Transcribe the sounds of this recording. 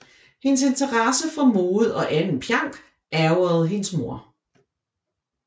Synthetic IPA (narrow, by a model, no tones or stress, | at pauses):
he̝ns̬e̝nt͡sʰɐʁɑ̈səfɒ̽moːð̩ˠɒ̽ʔænn̩pʰjɑ̈ŋ̰ɡ̥ | ʔæɐʊɐð̩ˠɦe̝nsmo̝ɐ̰